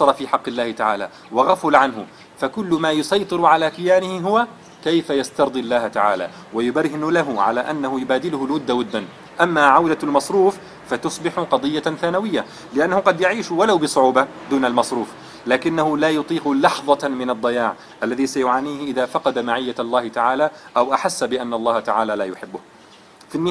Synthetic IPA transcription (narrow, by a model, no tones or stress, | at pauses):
ɑɾˤɑfiːħɑqːɪlːaːhɪt̪aʕa̰ːla̰ | wɑɣafʊlʕanɦʊ | fakʊlːʊmaːjʊsɑjt̪ˤɨɾʕalaːkɪjaːnɪhɪɦʊwa | kajfajast̪ɑɾˤd̪ˤilːaːhat̪aʕa̰ːla̰ː | wajʊbaɾhɪnlaɦʊʕa̰laːʔanːahʊjʊbaːd̪ɪlʊhʊlwʊd̪ːawʊd̪ːan | ʔamːaʕawd̪almɑsˤɾuːf | fat̪ʊsˤbɪħʊqɑd̪ˤɨjːaθaːnawɪjːa | lɪʔanːahʊqɑd̪jaʕiːʃwalawbɨsˤʊʕuːba | d̪uːnalmɑsˤɾuːf | laːkɪnːahʊlaːjʊt̪ˤiːqʊlɑħðˤɑmɪnɑd̪ˤːɑjaːʕ | ʔalːaðiːsajʊʕaːniːhɪʔɪðafɑqɑd̪amaʕɪjːalˤːɑːhɪt̪aʕaːlaʔawʔaħasːabɪʔanːɑlˤːɑːhat̪aʕaːlalaːjʊħɪbːʊh | fɪnːɪ